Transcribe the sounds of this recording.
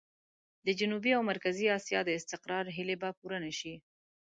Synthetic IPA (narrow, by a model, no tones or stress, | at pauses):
d̪əd͡ʒʊnubiawmaɾkaziɑsjɑd̪əɪst̪ɪqɾɑɾɦɪlebapuɾənaʃi